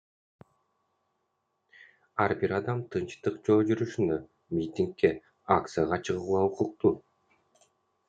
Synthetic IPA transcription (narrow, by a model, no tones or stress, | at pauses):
ɑɾbiɾɑd̪ɑmt̪ʰɯnt͡ʃt̪ɯqd͡ʒo̞ːd͡ʒyɾyʃynø | mʲit̪ʲiŋkːe | ak̚t̪sɨjaʁɑt͡ʃʰɯʁuulˠɑuquq̚t̪u